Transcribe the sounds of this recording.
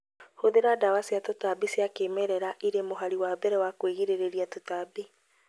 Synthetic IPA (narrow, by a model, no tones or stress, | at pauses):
hoðeɾadawasjatotabisjakemɛɾɛɾaʔiɾemoɦaɾiwabɛɾɛwakweɣiɾeɾeɾiatotabi